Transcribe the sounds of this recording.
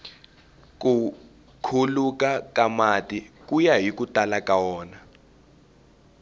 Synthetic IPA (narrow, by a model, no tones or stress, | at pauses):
ku | kʰulukakamatʼik̬ʼujaɦikutʼalakʼawɔːna